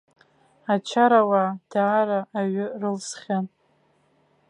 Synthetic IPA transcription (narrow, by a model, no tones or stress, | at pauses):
at͡ʃʰaɾawad̥aːɾaʔːɥɪrɨlsχʲan